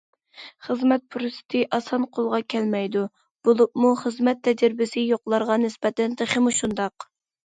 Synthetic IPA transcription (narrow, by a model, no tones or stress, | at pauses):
χəzmɛt̪̚pʰʊɾust̪ʰɪʔɑsɑnqʰolˠʁɑkʲʰɛlmɛjd̪u | b̥olˠupmuχəzmɛt̪ʰːɛd͡ʒɾɪbɪsɪjoqlˠɑɾʁɑnɪspɛt̪ɛnt̪eχɪmuʃund̪ɑq